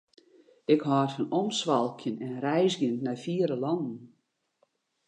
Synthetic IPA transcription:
ɪkhɔːrfɔnɔmsʋɑlˠkʰjənɛnrɛjzɡjənːafiəɾəlɑndn̩

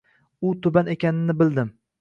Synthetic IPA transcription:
ʊt̪ʰʊbanekʲanɪnɪbɪld̪ɪm

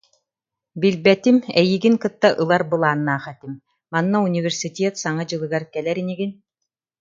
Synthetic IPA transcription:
bilbɛt̪imɛjiɡinkɯt̪ːaʔɯlˠaɾbɯlˠaːnːaːχɛt̪im | manːaunʲivʲɛɾsit̪ʲeːt̪saŋad͡ʑɯlˠɯɡaɾkɛlɛɾiniɡin

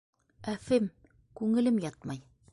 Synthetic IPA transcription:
æfɘm | kʉŋɘ̆lɘmjɑt̪mɑj

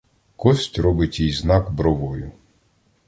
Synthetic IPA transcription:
kɔsʲtʲɾɔbɪtʲijznɑkbɾɔʋɔjʊ

